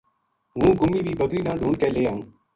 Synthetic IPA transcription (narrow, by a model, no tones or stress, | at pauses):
ɦũːɡʱʊmiːʋiːbəɡɾiːnãːɖʱuːɳkeːleːaːɦũː